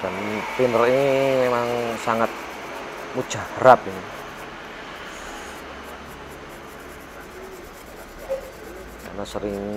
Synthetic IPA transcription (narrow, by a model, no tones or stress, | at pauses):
kant̪indərinimemaŋsaŋat̪̚ | mud̥ʒ̥ahɾap̚ini | ka̰nasəɾɪŋ